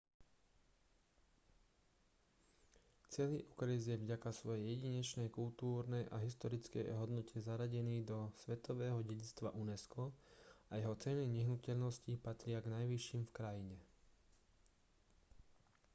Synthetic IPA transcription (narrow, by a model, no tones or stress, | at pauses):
t͡sɪɛliʔukɾizjɛvɟakasʋɔjɛjɛɟiɲɛt͡ʃnɛjkult̪uːɾnɛjʔa̰ɦist̪ɔɾit͡skɛ̰jɦɔd̪nɔcɛzaɾaɟɛniːd̪ɔsʋɛt̪ɔʋɛːɦɔɟɛɟit͡st̪ʋaʔunɛskɔajɛɦɔt͡sɛniɲɛɦnucɛʎnɔscipat̪ɾɪaɡnajʋiʃiːmfkɾajiɲɛ